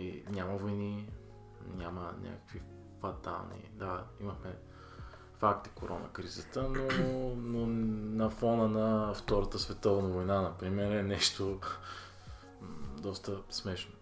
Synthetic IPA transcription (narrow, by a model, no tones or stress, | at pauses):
nʲaməvojni | nʲamənʲʔa̰kə̥kvi | fɐt̪a̰nḭd̪aiməxmɛ | fak̚t̪i̥koɾʔɔ̰nə̰kɾizət̪ənononɐfɔnənɐft̪ɔɾət̪əsvɛt̪ɔvnəvojnanɐpɾimɛɾɛnɛʃt̪o | d̪ɔst̪əsmɛʃno